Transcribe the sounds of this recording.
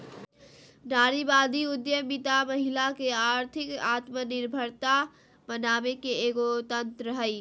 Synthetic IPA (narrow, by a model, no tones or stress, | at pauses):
naːɾibaːd̪iʊd̪jəbit̪aməɦilakeaːɾt̪ʰɪkaːt̪mənɪɾbʱəɾt̪a | mənaːmekeeːɡot̪ənt̪ɾəɦəi